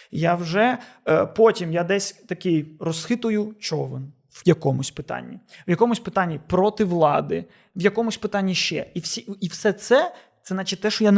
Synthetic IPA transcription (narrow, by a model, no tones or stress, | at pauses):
jawʒɛpɔtʲimjad̪ɛsʲt̪ɐkɪjrɔsxɪt̪ʊjʊt͡ʃɔʋɪn | wjɐkɔmʊsʲpɪt̪ɑ̰nʲːiwjɐkɔmʊsʲpɪt̪ɑnʲːipɾɔt̪ɪʋlˠɑd̪ɪ | ʋjɐkɔmʊsʲpɪt̪ɑnʲːiʃt͡ʃɛ̰iwsʲiiwsɛt̪sɛ | t̪sɛzɑt͡ʃɪt̪̚ʲt̪ɛʃɔjan